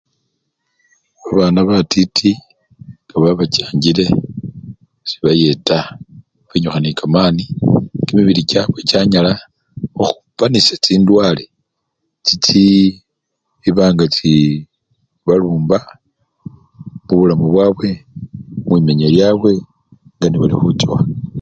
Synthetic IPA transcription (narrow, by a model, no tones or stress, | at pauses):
aβaːnaβatitʰi | ɡ̥aβaβat͡ʃaːɲɟile̞ | si̥βaje̞ta | βeɲuxanikamaːnikimiβiɾicawe̞t͡ʃaɲala | oxu̥panisat͡siːndwaːle | t͡ʃit͡si | βaːŋɡat͡si | βaluːmba | muβulamuβwaβwe̞ | mwimeɲeljaːβwe̞ | ŋɡaniβalixut͡ʃwa